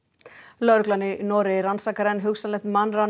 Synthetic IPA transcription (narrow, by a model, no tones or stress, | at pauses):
lœɾklanɪnɔːɾɪɾansaːkaɾɛnɦʏɣsanlɛht̪manra